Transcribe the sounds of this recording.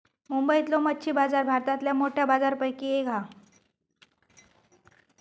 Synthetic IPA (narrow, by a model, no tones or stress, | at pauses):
mumbəit̪lomətːɕʰiːbad͡zaɾbʱaɾt̪at̪ljamoʈʰjabad͡zaɾpəjkieɡɦa